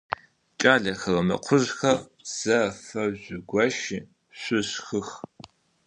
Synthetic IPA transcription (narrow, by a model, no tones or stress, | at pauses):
t͡ʃʼaːɮɐxɐrɐmɐ̰qʷʰʊʑxɐ | z̥ɐfɐʑʷʊɡʷɐʃi | ɕʷʊɕxɨx